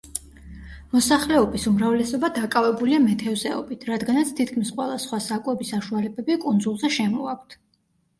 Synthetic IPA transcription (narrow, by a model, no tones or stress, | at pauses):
mɔsaχlɛɔbisumɾavlɛsɔbad̪akʼavɛbuliamɛt̪ʰɛvzɛɔ̰bit̪ʰɾad̪ɡanat̪sʰt̪ʰit̪̚ʰkʰmisqʼwɛlˠasχwasakʼwɛbisaʃualɛbɛbikʼund̪zulˠzɛʃɛmɔakʷʰt̪ʰ